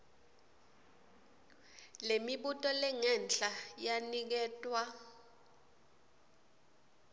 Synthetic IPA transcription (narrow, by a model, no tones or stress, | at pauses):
lemiɓutʼɔlɛŋɛnt͡ɬʼajanik̬ɛːtʼwa